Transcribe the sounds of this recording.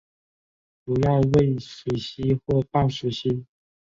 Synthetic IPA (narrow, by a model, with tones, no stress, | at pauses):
pu˨˥jɑ˥˧ʊwe˥˩ɪʂu˨˥ɕi˥xwɔ˥˩pɑ˥˩ŋʂu˨˩ɕi˧˥